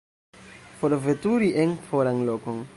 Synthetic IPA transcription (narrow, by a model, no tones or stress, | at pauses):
foɾvetuɾiʔenfoɾaŋlokoŋ